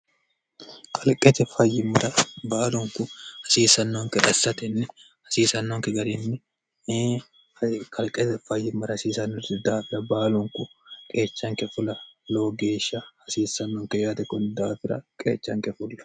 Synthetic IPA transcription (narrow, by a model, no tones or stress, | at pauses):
kʰɐlkʼːɛt̪ɛfɐjːɪmːɐɾɐbaːlɔŋkʊhɐsiːsɐnːɔŋkɛᶑɐsːɐt̪ɛnːɛ | hɐsiːsɐnːɔŋkɛɡɐɾɪnːɛ | kʰɐlkʼːɛt̪ɛfɐjːɪmːɐɾɐhɐsiːsɐnːɔɾɪd̪aːfɪɾɐbaːlɔŋkʊkʼe̞ːt͡ʃːɐŋkɛfʊlɐloːɡe̞ːʃːɐhɐsiːsːɐnːɔŋkɛjaːt̪ɛkːɔnd̪aːfɪɾɐ̰kʼḛːt͡ʃːɐŋkɛfʊlːɐ̥